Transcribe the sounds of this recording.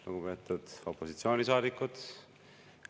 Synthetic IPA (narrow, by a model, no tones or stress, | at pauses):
luɡupe̞ːt̪ːˑud̪̥o̞pːˑo̞sit̪sio̞ːnʲis̬ɑːd̪ikːˑud̪̥